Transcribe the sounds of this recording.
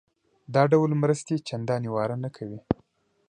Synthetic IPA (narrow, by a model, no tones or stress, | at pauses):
d̪ɑɖawlmɾəst̪et͡ʃand̪ɑniwɑɾanakʰawi